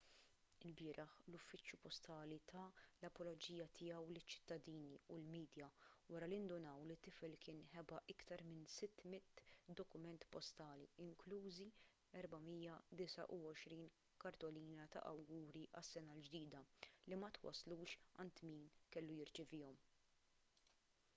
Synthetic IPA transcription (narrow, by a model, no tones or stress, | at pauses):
ɪlbɪːɾʔɐħlʊfːɪt͡ʃːjupɔst̪ɐːlit̪ʰɐlɐpɔlɔd͡ʒiːjɐt̪ʰɪjɐwlɪt͡ʃːɪ̥t̪ːɐd̪iːniulmiːd̪jɐwɐɾɐlɪnd̪ʊnɐwlit̪ːɪfɛlkɪːnħɛbɐʔɪkt̪ɐɾmɪnsɪt̪ːmɪt̪ːd̪ɔkʊmɛnt̪pɔst̪ɐːlḭɪŋkluːzi | ɛɾbɐmijɐd̪ɪsɐ̰ʔʊɔʃɾiːn | kɐɾt̪ɔliːnɐt̪ɐ̰ʔɐ̰wɡuːɾiʔɐsːɛnɐld͡ʒd̪iːd̪ɐlimɐt̪wɐ̰sːluːʃɐnt̪miːnkɛlːujɪɾt͡ʃɪvɪːɔm